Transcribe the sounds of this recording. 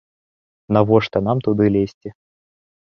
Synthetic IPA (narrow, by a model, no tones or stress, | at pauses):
nɐvɔʂt̪ɐnamt̪ʊd̪ɨlʲesʲtʲɪ